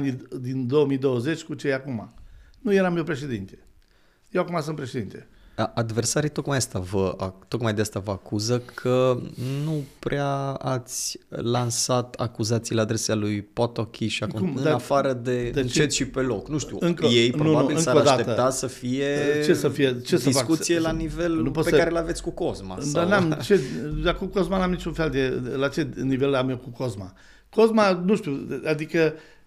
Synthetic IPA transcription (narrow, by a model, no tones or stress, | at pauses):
nid̪ind̪o̞wəmijd̪o̞wəze̞t͡ʃʲkut͡ʃejakumanujeɾamewpɾe̞ʃe̞d̪int̪e | jewakumas̬unt̪pɾeʃed̪int̪e | əʔad̪ve̞rsaɾit̪o̞kmajast̪avəat̪o̞kmajd̪east̪avəakuzəkʰənupɾeaat̪sʲlansat̪a̰kuzat̪silead̪ɾe̞sealujpot̪okʲʰiʃiakkukumɨd̪aafaɾəd̪e̞ent͡ʃt͡ʃet̪ʲʃipe̞lo̞knuʃt̪iṵɨŋkojejppɾnouaubilɨŋsaɾoad̪at̪eət̪at̪səfije̞t͡ʃe̞səfijet͡ʃesdəifakut̪sielanive̞lupot̪peskaɾelavesʲkuko̞zma̰sdaanamt͡ʃe̞d̪akuko̞zmanamnit͡ʃunfe̞ld̪e̞lat͡ʃe̞nive̞lamekuko̞zma | ko̞zmanuʃt̪iuad̪ikə